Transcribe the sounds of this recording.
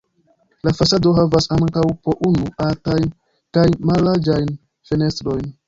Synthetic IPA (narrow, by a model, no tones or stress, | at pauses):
lafasado̞ɦavasaŋkawpoʔunuatajn | kajmalːaɾd͡ʒajn | fe̞ne̞stɾo̞jn